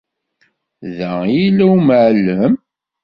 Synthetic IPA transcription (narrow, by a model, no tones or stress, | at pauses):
ðæjilːæwməʕlːəm